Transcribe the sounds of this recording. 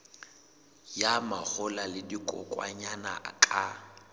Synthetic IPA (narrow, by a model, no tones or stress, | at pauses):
jamak͡xʊlalɪdikʼɔ̰kʼwa̰ɲana̰kʼa